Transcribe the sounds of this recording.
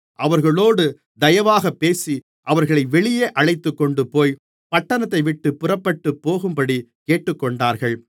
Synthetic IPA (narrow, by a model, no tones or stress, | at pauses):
ʔɐʋɐɾɣɐɭoːɽɯ | d̪ɐjɐʋaːɣɐpːeːsi | ʔɐʋɐɾɣɐɭɐɪʋɛɭɪjeːʔɐɭɐɪt̪ːɯkːɔɳɖɯpoːj | pɐʈːɐnɐt̪ːɐɪʋɪʈːɯpːʊrɐpːɐʈːɯpːoːɣɯmpɐɽikeːʈːɯkːɔɳɖaːɾɣɐɭ